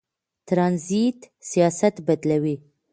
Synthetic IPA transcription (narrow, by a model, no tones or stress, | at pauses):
t̪ɾɑnzit̪ | sijɑsat̪bad̪lawi